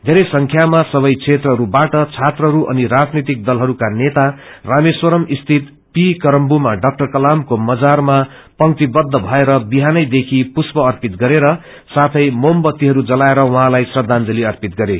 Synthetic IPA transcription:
d̪ʱeɾʌjsʌŋkʰjamasʌβʌjt͡sʰet̪rʌɦʌɾubaʈʌt͡sʰat̪rʌɦʌɾuʔʌ̰niɾad͡znit̪ik̚d̪ʌlɦʌɾukanet̪arameswʌɾʌmist̪ʰit̪ | pikʌɾʌmbumaɖʌk̚ʈʌrkʌlamkomʌd͡zarma | pʌŋt̪ibʌd̪ʱːʌbʱʌeɾʌbiɦanʌjd̪ekʰipuspʌːrpit̪̚ɡʌɾeɾʌ | sat̪ʰʌjmombʌt̪ːiɦʌɾud͡zʌlaeɾʌwʌɦãlajsrʌd̪ʱand͡zʌliʌrpit̪ɡʌɾe

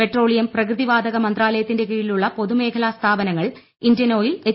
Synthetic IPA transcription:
pe̞ʈro̞ːɭijɐmprɐkrɨðiʋaːd̪ɐɣɐmɐnd̪raːlɐjɐt̪ːinde̞kiːɻiluɭːɐpo̞ðume̞ːkʰɐlaːst̪ʰaːbɐnɐŋːɐɭ | indjɐno̞ːjile

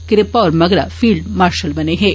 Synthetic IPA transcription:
kɪɾɪpaɔːɾmɐɡɾa̰fiːɭɖmaːɾʃɐlbɐneɦɛː

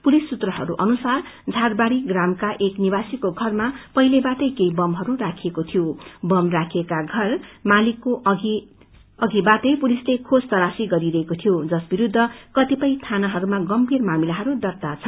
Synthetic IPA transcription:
pulisːut̪rʌɦʌ̰ɾṵʔʌnusard͡zʱarbaɽiɡramkaʔeknibasikoɡʱʌrmapʌɦilebaʈ̪ʌjkejbʌmɦʌɾurakʰiekot̪ʰijobʌmrakʰekaɡʱʌrmalikːoʔʌɡi | ʌɡibat̪ʌjpulislekʰod͡zt̪ʌɾasiɡʌɾiɾʌɦekot̪ʰijod͡zʌsbiɾud̪ʱːʌkʌt̪ipʌjt̪ʰanaɦʌɾumaɡʌmbʱirmamilaɦʌɾud̪ʌrt̪at͡sʰʌ

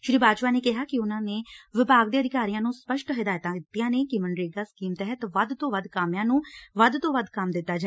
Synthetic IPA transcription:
ʃɾiːbaːt͡ʃpaːneːkɪɦaːkɪʊnãːneːʋɪbaːɡd̪eːəd̪ɪkaːɾijãːnũːspəʃʈɦɪd̪aːjət̪ãːɪt̪ːijãːneːkɪməɳɖɾeːɡaːskiːmt̪ɛɦət̪ʋəd̪t̪õːʋəd̪kəmjãːnũːʋəd̪t̪õːʋəd̪kəmd̪ɪt̪ːaːd͡ʒa

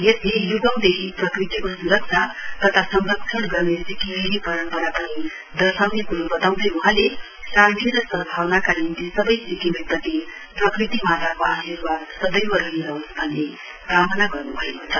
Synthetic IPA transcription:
jeslejuɡʌmd̪ekʰiprʌkrit̪ikosuɾʌk̚t͡sʰat̪ʌt̪ʰasʌŋrʌk̚t͡sʰʌnɡʌrnesikimeɾipʌɾʌmpʌɾapʌni | d̪ʌɾsawnekuɾubʌt̪aw̃d̪ʌjuɦãle | sãnt̪ʰiɾʌsʌbʱawnakalind̪isʌbʌjsikimepʌt̪i | prʌkrit̪imat̪akoasirwad̪sʌbʌjwʌɾʌɦiɾʌɦosbʱʌnːe | kamʌnaɡʌrnubʱʌekot͡sʰʌ

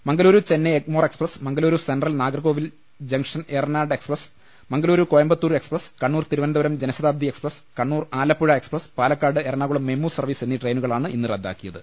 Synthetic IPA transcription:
mɐŋɡɐluːɾut͡ɕe̞nːeemoːre̞ksprɐsmɐŋɡɐluːɾusenɖrɐlnaːɡrɐɣoːʋil | d͡ʑɐŋʂɐnernaːɖe̞ksprɐs | mɐŋɡɐluːɾukojɐmbɐt̪ːuːɾe̞ksprɐskɐɳːuːrt̪iɾuʋɐnd̪ɐʋɐɾɐmd͡ʑenɐsɐðaːb̚d̪ieksprɐskɐɳːuːraːlɐpːuɻɐe̞ksprɐspaːlɐkːaːɖɨerɳaːɣuɭɐmːemːuːsɐrʋiːse̞nːiʈre̞jnuɣɐɭaːɳɨʔḭnːɨrɐd̪ʱːa̰ːkːijɐðɨ

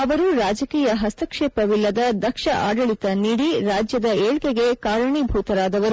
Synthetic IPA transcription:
ɐʋɐɾuɾaːd͡ʒɐkiːjɐɦɐst̪ɐkʂeːpɐʋilːɐd̪ɐd̪ɐkʂɐʔaːɖɐɭit̪ɐniːɽiɾaːd͡ʒjɐd̪ɐeːɭkeɡe̞kaːɾɐɳibʱuːt̪ɐɾaːd̪ɐʋɐɾu

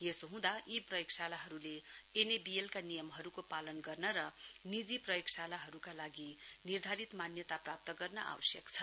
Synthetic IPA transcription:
jesoɦũd̪aʔiprʌjoksalaɦʌɾuleenebielkanijʌmɦʌɾukopalʌnɡʌrnʌɾʌnid͡ziprʌjoksalaɦʌɾukalaɡinird̪ʱaɾit̪manjʌt̪aprap̚t̪ʌɡʌrnʌʔa̰wʌsjʌkt͡sʰʌ

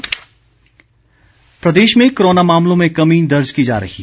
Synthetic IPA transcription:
pɾɐd̪eːʃmẽkoɾoːnamaːmlõmẽkɐmĩːd̪ɐɾd͡ʒkid͡ʒa̰ːɾɐ̰ɦi

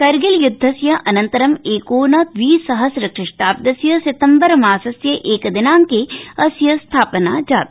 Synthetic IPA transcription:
kɐɾɡɪljʊd̪ʱːɐsjɐʔɐnɐnt̪ɐɾɐmeːkoːnɐʋiːsɐɦɐsɾɐkʃɪʂʈaːp̚d̪ɐsjɐsɪt̪ɐmbɐɾmaːsɐsjɐʔeːkɐd̪ɪnaːŋkeɐsjɐst̪ʰaːpənaːd͡ʒaːt̪

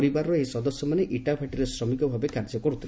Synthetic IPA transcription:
ɾibaɾɔɔesɔd̪ɔsjɔmaneʔiʈabʱʰaʈiɾesɾɔmikɔbʱabekaɾd͡ʒɔkɔɾut̪ʰi

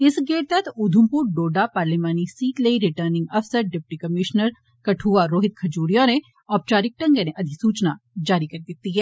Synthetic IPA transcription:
ɪsɡeːʈ̚t̪ɐt̪ʰʊd̪ʱʊmpuɾɖoːɖapaːɾlimaːnisiːʈləiɾɪʈəɾnɪ̃ŋɡɐfsəɾɖɪp̚ʈikəmɪʃnəɾ | kɐʈʰuːaɾoːɦɪt̪̚kʰɐd͡ʒuːɾijãnẽ | ɔːpt͡ʃaːɾɪk̚ʈɐ̃ŋɡəneʔɐd̪ʱisuːt͡ʃnad͡ʒaːɾikɐɾd̪ɪt̪ːiɦɛː

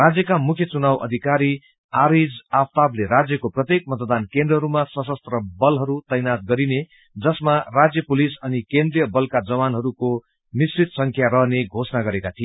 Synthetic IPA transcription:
rad͡zjʌkamukʰjʌt͡sunawʔʌ̰d̪ʱikaɾi | aɾid͡zapt̪ableɾad͡zjʌkoprʌt̪jek̚mʌt̪d̪ankend̪rʌɦʌɾumasʌsʌst̪rʌbʌlɦʌɾut̪ʌjnat̪̚ɡʌɾine | d͡zʌsmarad͡zjʌpulisʌnikend̪rijʌbʌlkad͡zʌwanɦʌɾuko | misit̪sʌŋkʰjaɾʌɦneɡʱosnaɡʌɾekat̪ʰie

